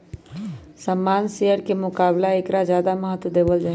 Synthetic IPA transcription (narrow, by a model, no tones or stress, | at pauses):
səmːaːnseːəɾkemʊkaːblaekɾazjaːd̪aməɦət̪wd̪eːbəld͡ʒaːɦ